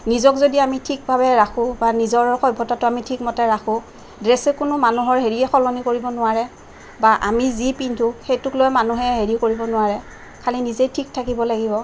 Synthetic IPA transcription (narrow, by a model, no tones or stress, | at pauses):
nizɔkzodiamitʰik̚bʱabɛɹaxʰʊ̃banizɔɹxɔjbʱːɔtatʊamitʰikmɔtɛɹaxʰʊ̃ | dɹɛsɛkʊnʊmanuɦɔɹɦeɹiɛxɔlɔnikoɹibɔnʊaɹɛ | baʔa̰mizipintʰʊxejtʊklojmanuɦɛɦeɹikoɹibɔnʊwaɹɛ | kʰalinizejtʰik̚tʰakibɔlaɡibɔ